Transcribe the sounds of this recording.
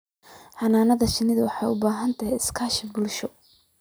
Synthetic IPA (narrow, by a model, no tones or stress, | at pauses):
ħɑnaːnɐðɐʃɪnɪðɐwɑħɑjʊbaːɦɐnt̪ʰɐɦɛjɪskʰaːʃɪbʊlʃɔ